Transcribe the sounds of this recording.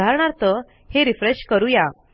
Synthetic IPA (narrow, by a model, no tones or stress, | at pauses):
aɾɳ̃aɾt̪ə | heɾifɾeɕkəɾuja